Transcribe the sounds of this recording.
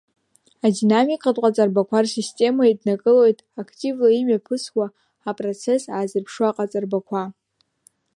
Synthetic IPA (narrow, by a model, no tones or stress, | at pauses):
adinamikʼatʼqʼat͡sʼarbakʷʰarsistʼe̞maidnakʼɨlo̞jtʼakʰtʼivlaimɥapʰɨswaː | pʼrot͡sʰe̞saːzɨrpʰʂwaqʼat͡sʼarbakʷʰa